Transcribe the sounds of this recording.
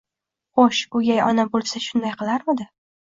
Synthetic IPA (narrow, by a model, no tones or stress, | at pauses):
χoʃʊɡʲajɒnabolˠsaʃʊnd̪ajqɨlˠaɾmad̪ɪ